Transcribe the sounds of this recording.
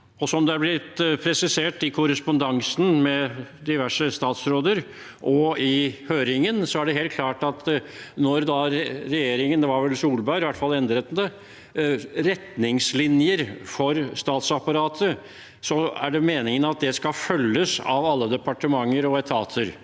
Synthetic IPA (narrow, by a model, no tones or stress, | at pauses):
ɔsɔmd̪ɛæɾblɪt̪pʰɾɛsɪseːʈɪkʰʊɾəspʊnd̪ɑŋsn̩mɛd̪ɪʋæʂəst̪ɑːt̪sɾoːd̪əɾ | ʔɔɪhøːɾɪŋənsɔæɖɛɦeːlt̪̚kʰlɑːʈɑt̪nɔɾd̪ɑɾɛjeːɾɪŋənd̪ɛʋɑɾʋɛlsuːlbɑʏɾɪʋæʈːfɑlɛnd̪ɾət̪nd̪ɛ | ɾɛt̪nɪŋslɪnjəɾfɔɾst̪ɑːt̪sɑpɑɾɑːt̪ʰə | sɔæ̰ɖɛmeːnɪŋənɑt̪̚d̪ɛskɑfœlːəsɑ̰ʋɑlːəd̪ɛpɑʈəmɑŋːəɾɔɛt̪ʰɑːt̪ʰəɾ